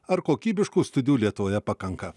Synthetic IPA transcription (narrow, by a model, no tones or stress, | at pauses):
ɐɾkoːkʲiːbʲɪʃkuːst̪ʊd̪ʲɪjuːlʲiɛt̪ʊʋoːjɛpɐkɐŋkɐ